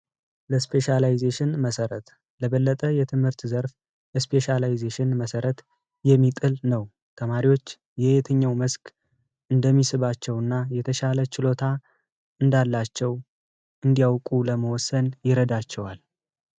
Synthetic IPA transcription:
ləspʰe̞ʃalajzeʃɪnməsəɾət̪ | ləβəlːət̪ʼəjɛt̪ʰɨmhɨɾt̪zəɾf | jɛspʰe̞ʃalajɪzeʃɪnməsəɾət̪ | jɛmːit̪ʼɨlnəw | t̪ʰəmaɾiwo̞t͡ʃː | jɛet̪ʰəɲːawməskʼ | ʔɨnd̪əmːisɨβat͡ʃːɛwɨnːajɛt̪ʰəʃalət͡ʃɪlo̞t̪ʰa | ɨnd̪alːat͡ʃːɛw | ʔɨnd̪ijawkʼuləməwɔsːənjɪɾəd̪at͡ʃːɛwal

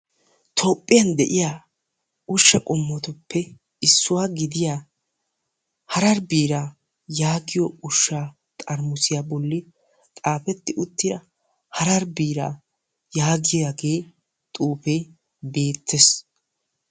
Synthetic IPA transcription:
t̪ʰopʼːɪjɐnd̪ɛʔɪjaː | ʊʃːɐkʼɔmːɔt̪ʊpːɛ | ɪsːʊwaːɡɪd̪ɪjaː | hɐɾɐɾbiːɾaː | jaːɡɪjɔʊʃːaː | t̪ʼɐɾmʊsɪjaːbɔlːɪ | t̪ʼaːpɛt̪ːɪʔʊt̪ːɪdɐ | hɐɾɐɾbiːɾa̰ː | jaːɡɪjaɡe̞ː | t̪ʼuːpeː | beːt̪ːɛs

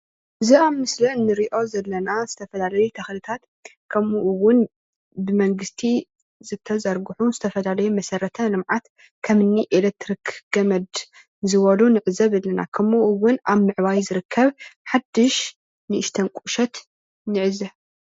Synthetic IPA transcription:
ʔɨziaβmːɨslɐnːɨɾiʔo̞zɐlːɐnazɨt̪ʰɐfɐlalɐjut̪ʰɐxlɨt̪ʰat̪ | kʰɐmuʔuwʊn | bɨmɐŋɡɨst̪ʰi | zɨt̪ʰɐzɐɾɡuħuzɨt̪ʰɐfɐlalɐjumɐsɐrːɐt̪ʰɐlɨmʕat̪ | kʰɐmɨnːiʔelek̚t̪ɾikɡ̥ɐmɐd̪ | zɨβɐlunɨʕɨzɐβɨlːɐna̰kʰɐmuʔwʊnʔaβmɨʕβajzɨɾɨkʰːɐβħad̪ːɨʃ | nɨʔɨʃt̪ʰɐnkʼuʃɐt̪ | nɨʕɨzɐ

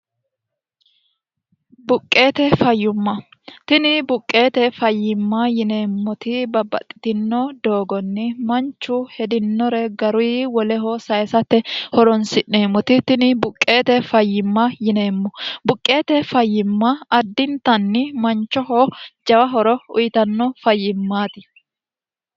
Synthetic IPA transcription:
bʊkʼːe̞ːt̪ɛfɐjːʊmːɐ | t̪ɪnɪbʊkʼːe̞ːt̪ɛfɐjːɪmːɐjɪne̞ːmːɔt̪ɪbɐbɐ̰t̪ʼːɪ̥t̪ɪnːɔd̪oːɡɔnːɪmɐnt͡ʃːʊhɛd̪ɪnːɔɾɛɡɐɾʊjwɔlɛɦɔsɐjsɐt̪ːɛhɔɾɔnsɪʔneːmːɔt̪ɪt̪ɪnɪbʊkʼːe̞ːt̪ɛfɐjːɪmːɐjɪne̞ːmːɔbʊkʼːe̞ːt̪ɛfɐjːɪmːɐɐd̪ːɪnt̪ɐnːɪmɐnt͡ʃːɔɦɔd͡ʒɐwɐɦɔɾɔʊ̰jɪt̪ɐnːɔfɐjːɪmːaːt̪ɪ

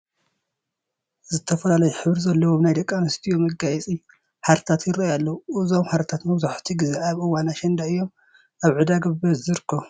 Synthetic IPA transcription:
zɨt̪ʰɐfɐlalɐjuħɨβɾizɐlːɐwoβnajd̪ɐkʼːanɨst̪ʰijomɐɡajɛt͡sʼi | ħaɾt̪ʰat̪jɪɾɐjalːɐuʔɨzomħaɾt̪ʰat̪mɐβzaħt̪ʰiɡɨzeaβʔɨwːanaʃɛnd̪aɨjːo̞m | ʔaβʕɨd̪aɡɐβbɐzɨɾɨkʰːɐ

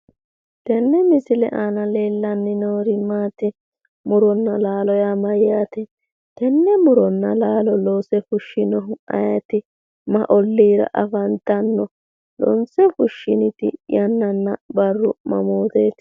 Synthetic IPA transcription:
t̪ɛnːɛmɪsɪlɛ̰ʔɐnɐleːlːɐnːɪnoːɾɪmaːt̪ɪ | mʊɾɔnːɐlaːlɔjamɐjjat̪ɛ | t̪ɛnːɛmʊɾɔnːɐlaːlɔloːsɛfʊʃːɪnɔɦʊɐ̰jɐt̪ɪ | mɐ̰ʔɔlːiːɾɐ̰ʔɐfɐnt̪ɐnːɔ | lɔ̰nsɛfʊʃːɪnɪt̪ɪ̰jɐnːɐnːɐbɐrːʊmɐ̰moːt̪eːt̪

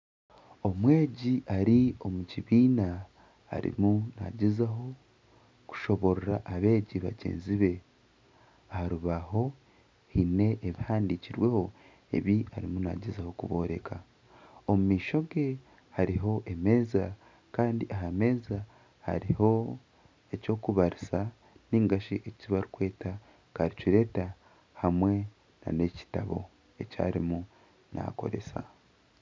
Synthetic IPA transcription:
o̞mwe̞ːɟiʔaɾio̞muciβiːna | a̰ɾḭmuna̰ɟezaɦo̞ | ku̥ʃo̞βo̞ɾɾaʔːβe̞ːɟiβa̰ɟe̞̰ːnziβe̞ | ahaɾuβaho̞ | hine̞ʔːβihaːndiciɾwe̞ho̞ | e̞̰βiaɾimuna̰ɟezaho̞kuβo̞ɾe̞ka | omumiːʃo̞ɡe̞ | haɾiɦo̞ʔe̞me̞ːza | kaːndiʔaɦame̞ːza | ha̰ɾiho̞ | e̞co̞ːkuβaɾisa | niːŋɡaʃiʔeciβaɾukwe̞ːta | kaɾiciɾe̞ːta | hamwe̞ | na̰ne̞ci̥taβo̞̰ | e̞ca̰ːɾimu | na̰ko̞̰ɾe̞̰sa̰

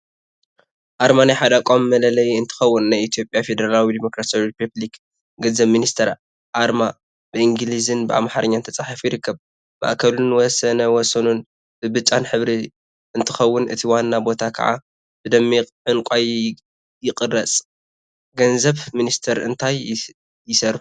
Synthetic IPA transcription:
ʔaɾmanjaħad̪akʼomːɐlɐlɐjiɨnt̪ʰɨ̥xɐwːʊnːajit̪ʰijo̞pʼjafe̞d̪ɐɾalawid̪imo̞kɾasjawiɾipʰublik | ɡɐzɐβminist̪ʰɐɾ | ʔaɾma | b̥ɨʔɨŋɡɨlizɨnbɨʔa̰mħaɾɨɲːant̪ʰɐt͡sʼaħafjɪɾɨkːɐb | bʔaʔkʰɐlunwɔsɐnɐwɔsɐnun | b̥ɨbɨt͡ʃʼːanħɨβɾi | ʔɨnt̪ʰɨxɐwːʊnɨt̪ʰiwanːabo̞t̪ʰakʰɐ̰ʕa̰ | b̥ɨd̪ɐmːiʕɨnkʷʼaj | jɪkʼɨrɐt͡sʼ | ɡɐnzɐβminist̪ʰɐɾɨnt̪ʰaj | jɪsɐɾu

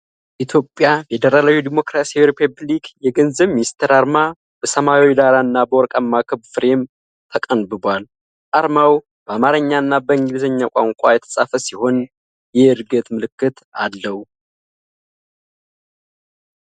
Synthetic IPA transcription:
ʔit̪ʰjo̞pʼːjafed̪əɾalawid̪imo̞kɾasijawiɾipʰəblikjɛɡənzəβminist̪ʰeɾaɾma | b̥əsəmawid̪aɾaɨnːabəwɔɾkʼamːakʰɨβfɨɾe̞m | t̪ʰəkʼənbɨbʷal | ʔaɾmaw | b̥əamaɾəɲːaɨnːabəɨŋɡɨlzəɲːakʷʼa̰ŋkʷʼajɛt̪ʰə̥sʼafəsiho̞n | jɛɨɾɡət̪mɨlɨkːɨt̪alːəhu

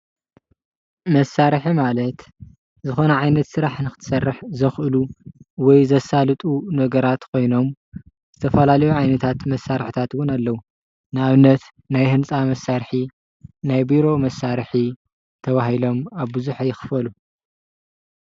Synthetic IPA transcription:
mɐsːaɾħimalɐt̪ | zɨxo̞nɐʕajnɐt̪sɨɾaħnɨxɨt̪ʰɨ̥sɐrːɨħzɐxʔɨluwɔjzɐsalɨt̪ʼunɐɡɐɾat̪kʰo̞jno̞m | z̥ɨt̪ʰɐfɐlalɐjuʕajnɐt̪ʰat̪mɐsːaɾħit̪ʰat̪wʊnalːɐwu | nɨaβɨnːɐt̪ | najɦɨnt͡sʼamɐsːaɾħi | najbiɾo̞mɐsːaɾħi | t̪ʰɐβaɦilo̞maβbɨzuħajɪxɨ̥fɐlu

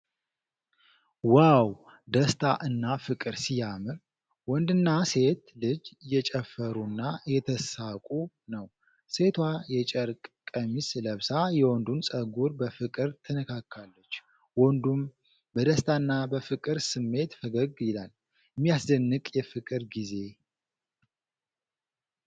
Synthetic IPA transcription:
waw | d̪əst̪ʰaʔɨnːafɨkʼɨɾsijamɨɾ | wɔnd̪ɨnːase̞t̪lɨd͡ʒjɛt͡ʃʼɛfəɾunːajɛt̪ʰəsakʼu | nəw | se̞t̪ʰwajɛt͡ʃʼəɾkʼkʼəmisləβsajɛwɔnd̪unsʼəɡuɾbəfɨkʼɨɾt̪ʰənəkʰakʰːalːət͡ʃː | wɔnd̪um | bəd̪əst̪ʰaɨnːabəfɨkʼɨɾsɨmːe̞t̪fəɡəɡjɪlal | mːijaszənːɨkʼjɛfɨkʼɨɾɡize̞

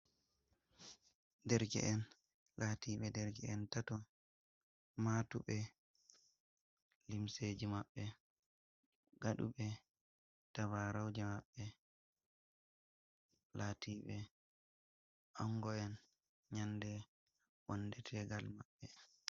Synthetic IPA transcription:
dɛɾkɛ̰ʔɛn | latiːɓɛdɛɾkɛɛntatɔ | maːtuɓɛ | limsed͡ʒimaɓːɛ | ɡaɗṵɓɛ | tawaɾawd͡ʒɛmaɓːɛ | laːtiːɓɛ | ʔaŋɡɔɛn | ɲandɛ | wɔndɛtʰɛɡalmaɓːɛ

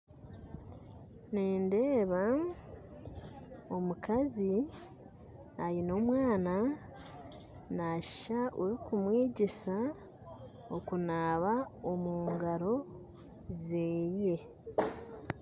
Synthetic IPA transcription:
neːnde̞ːβa | o̞mukazi | ajino̞ːmwaːna | naʃʃaʔoɾikumwiːɟisa | okunaːβaomuːŋɡaɾo̞ | zeːje̞

